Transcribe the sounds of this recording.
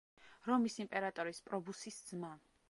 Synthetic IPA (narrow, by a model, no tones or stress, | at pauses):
ɾɔmisimpʼɛɾat̪ʼɔɾispʼɾɔbusisd̪zma